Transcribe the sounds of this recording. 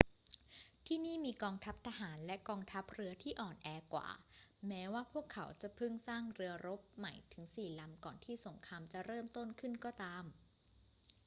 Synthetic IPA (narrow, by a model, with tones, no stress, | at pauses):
t̪ʰiː˥˩niː˥˩miː˧kɔː˧ŋt̪ʰa˦˥p̚t̪ʰa˧ɦaː˩˦nlɛ˦˥kɔː˧ŋt̪ʰa˦˥p̚ɾɯ˧˥ɐt̪ʰiː˥˩ʔɔː˨˩nʔɛː˧kwa̰ː˨˩mɛː˦˥waː˥˩pʰu˥˩əkʰːa˩˦wt͡ɕa˨˩pʰɯ˥˩ŋsaː˥˩ŋɾɯ˧ɐɾo˦˥p̚ma˨˩jt̪ʰɯ˩˦ŋsiː˨˩la˨˦mkɔː˨˩nt̪ʰiː˥˩so˩˦ŋkʰaː˧mt͡ɕa˨˩ɾɤː˥˩mt̪o˥˩nkʰɯ˥˩nkɔː˥˩t̪aː˧m